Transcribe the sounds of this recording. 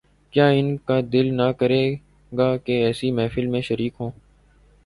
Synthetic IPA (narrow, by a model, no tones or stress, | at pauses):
kjaːɪnkaːd̪ɪlnakəɾeː | ɡaːkeɛːsimɛ̃ːfɪlmẽːʃəɾiːkɦõː